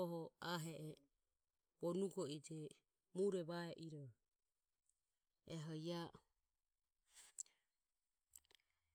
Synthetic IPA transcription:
ɔɦɔaɦɛʔɛ | bɔnuɡɔid͡ʒɛ | muɾɛβaɛʔiɾɔ | ɛɦɔja

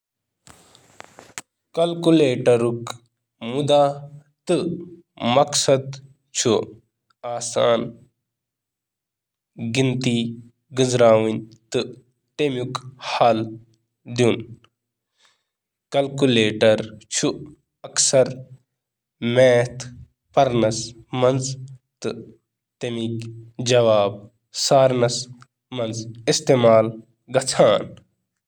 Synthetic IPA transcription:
kɐlkuleːʈɐɾuk | mud̪aː | t̪ɨ | mɐksɐd̪ | t͡ʃʰu | aːsaːn | ɡint̪iː | ɡɨzɾaːʋint̪ɨ | t̪emukhal | d̪jun | kɐlkuleːʈɐɾt͡ʃʰu | ɐksɐɾ | meːt̪ʰ | pɐɾnɐsmɐnzt̪ɨ | t̪emikd͡ʒɐʋaːb̚ | saːɾnɐs | mɐnzist̪eːmaːl | ɡɐt͡sʰaːn

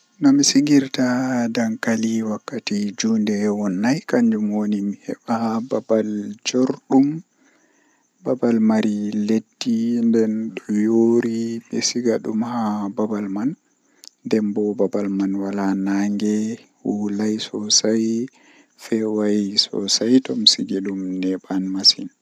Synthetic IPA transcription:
nɔmisiɡiɾtadaŋkaliwakːatid͡ʒuːndɛwɔnːajkaɲd͡ʒumwonimihɛ̰ɓahababald͡ʒoɾɗum | babalmaɾiledːindɛnɗɔjoɾiɓɛsiɡaɗumhababalman | dɛmbɔbabalmanwalanaŋɡɛhulajsɔsaj | fɛwajsɔ̰sajtɔmsiɡelumnɛɓanmasin

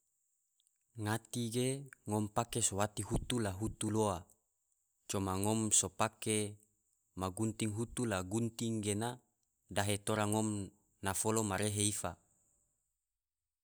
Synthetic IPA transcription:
ŋat̪iɡeŋɔmpakesowat̪iɦut̪ulaɦut̪uloa | t͡ʃomaŋɔmsopake | maɡunt̪iŋɦut̪ulaɡunt̪iŋɡena | daɦet̪oɾaŋɔm | nafolomaɾeɦeifa

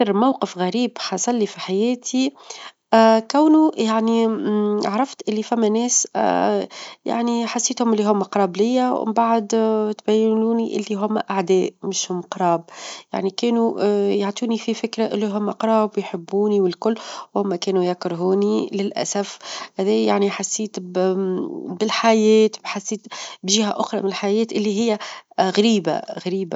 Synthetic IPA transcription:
əɾmawqəfɣæɾiːbħɑsˤɑlːifiħajɛːt̪ʰi | kæwnujaʕni | ʕɾˤɑft̪ʔɪlːifæmːænɛːs | ja̰ʕniħasːeːt̪hʊmʔɪlːiɦʊmːæqɾˤɑːblɪjːa̰mbaʕd̪t̪bæjːnuːniʔɪ̰lːiɦʊmːæ̰ʔaʕd̪ɛːmɪʃhʊmːqɾˤɑːb̚ja̰ʕnikɛːnujaʕt̪ˤuːnififɪkɾaʔɪlːiɦʊmːaqɾˤɑːbwjħɪbːuːniwɪlkʊlːwhʊmːækɛːnujakɾˤɦuːnilɪlʔæ̰sæfhæðɛːjaʕniħasːiːt̪ | bɪlħajɛːt̪bħasːiːt̪bʒiːhæʔʊxɾˤɑ̰mɪnɪlħajɛːt̪ʔɪlːiɦɪjːæɣaɾiːba̰ɣaɾiːba

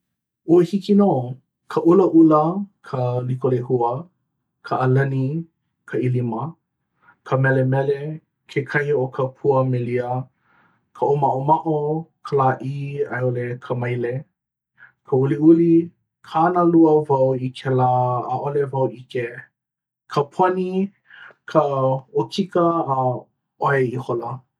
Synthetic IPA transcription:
ohikinoː | kʰəʔuləʔuləkʰəlikolehuə | kʰəʔːlɐni | kʰəilimə | kʰəmɛlemɛle | kʰekʰɐhiokʰəpʰuəmeliə | kʰəʔomaʔomaʔokʰəlaʔia̰jolekʰəmɐjle | kʰəuliuli | kʰaanəluəvɐwikʰɛlaːʔolevɐwʔike | kʰəpʰoni | kʰəokʰikəː | oeiholɐ

